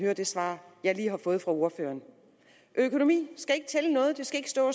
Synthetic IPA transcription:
høːɐd̥e̝sʋɑ̰̈ːjɑ̈ɪliːɦɑ̈fɔ̽ːð̞̩ˠfʁɑ̈o̝ɐfø̰ːɐn | ʔøkʰo̝no̝mḭːsɡ̥æe̝ɡ̥ət͡sʰelənɔ̽ːð̞̩ˠd̥e̝sɡ̥æe̝ɡ̥ə̥sd̥ɔ̰̽ː

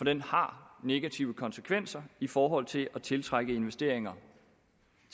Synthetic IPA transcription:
fɒ̽d̥enhɑ̈ne̝ɡ̥æt͡sʰiʊəkʰɒ̽nsə̥kʰʋen̰sɐifɒːɦɒ̽l̰t͡sʰe̝læt͡sʰe̝lt͡sʰʁaɡ̥əe̝nʋesd̥e̝ɐ̰e̝ŋɐ

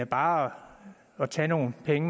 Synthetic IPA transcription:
æb̥ɑ̈ː | ɒ̽t͡sʰɛ̰no̝ːn̩pʰeŋ

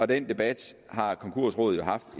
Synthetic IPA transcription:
ɒ̽d̥end̥e̝b̥æd̥hɑ̈kʰɒ̽ŋkʰuɐ̰sʁɔ̰ːð̩ˠjo̝ɦɑ̈fd̥

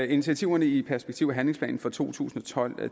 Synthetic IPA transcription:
init͡sʰiæt͡sʰiʊɐnəipʰæɐsb̥e̝ɡ̥t͡sʰiʊ̰æɦænleŋspʰlɛ̰ːn̩fɒ̽t͡sʰo̝̰ːt͡sʰṵːsn̩ɒ̽t͡sʰɒ̽l̰

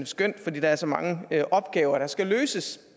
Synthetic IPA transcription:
əsɡ̥øn̰d̥fɒ̽d̥ḭːd̥ɑæɐsɒ̽mɑ̈ŋəøʔɒ̽b̥̚ɡ̥ɛːʊɐɾ̥ɑ̈sɡ̥æløːsəs

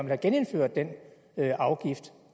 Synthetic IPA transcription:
melhæɡ̥ene̝nfø̰ɐ̰d̥d̥en | øʔɑ̈ʊɡ̥ifd̥

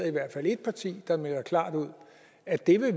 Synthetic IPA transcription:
ɐiʋæɐ̰d̥fæl̰e̝d̥̚pʰɑ̈t͡sʰḭːd̥ɑ̈melɐkʰlɑ̰̈ːd̥uð̞̰ˠ | æ̥e̝ʋe̝

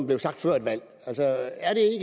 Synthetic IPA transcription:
mb̥le̝ʊsɑ̈ɡ̥̚d̥fɶɐ̰ed̥ʋæl̰ | ælsɒæɐɾ̥e̝eɡ̥

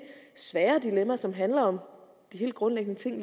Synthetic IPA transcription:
sʋæːɐd̥ilemɐsɒ̽mɦænlɐɒ̽m | d̥iɦe̝̰ld̥̚ɡ̥ʁɔ̽nleɡ̥nət͡sʰe̝ŋ̰

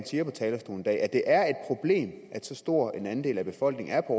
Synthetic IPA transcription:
nsiːɐpʰɒ̽t͡sʰɛːlɐsd̥ṵːln̩d̥ɛ̰ːæd̥e̝ʔæɐe̝d̥̚pʰʁo̝b̥le̝̰ːm | æd̥sɒ̽sd̥o̝ɐ̰e̝nænd̥e̝̰ːlæb̥e̝fɒ̽l̰ɡ̥ne̝ŋ̩æɐpʰɒ

